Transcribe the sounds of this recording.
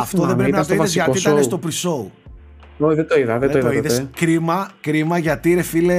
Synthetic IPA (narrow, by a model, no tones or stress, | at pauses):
ɐft̪o̞ðe̞bɾepinɐt̪oiðeszʝɐt̪iit̪ɐnest̪opɾiso̞u | oðet̪oiðɐðeoiɐoiðeskɾimɐkɾimɐʝɐt̪iɾe̞file